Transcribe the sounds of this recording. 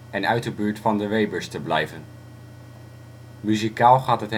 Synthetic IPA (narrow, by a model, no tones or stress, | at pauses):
ɛnœɥt̚dəbyːɹtfɑndəʋejbəɹstəblɛjvən | myzikaːlˠχaːtɦətɦ